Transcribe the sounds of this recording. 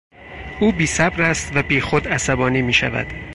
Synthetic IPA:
uːbiːsæbɾæst̪væbiːxod̪æsæbɒːniːmiːʃæ̰væ̰d̪̥

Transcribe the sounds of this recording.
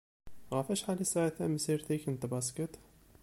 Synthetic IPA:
ɣæfæʃħalisaʕaθæməsiɾt̪ikənt̪bɑskət̪

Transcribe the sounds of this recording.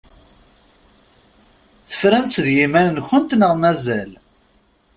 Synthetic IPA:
θə̥fɾæmt̪ðjimænənçənt̪nəʁmæzæl

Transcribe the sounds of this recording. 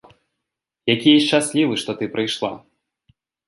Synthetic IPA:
jakʲijɛt͡ʂasʲlʲivɨʂt̪ɔt̪ɨpɾʔɨjʂlˠa

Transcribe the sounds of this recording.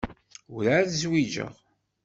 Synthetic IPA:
ʊɾaðzwid͡ʒə̰ʁ

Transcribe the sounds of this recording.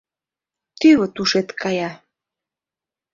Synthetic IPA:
t̪yβət̪uʃet̪kʰɑjɑ

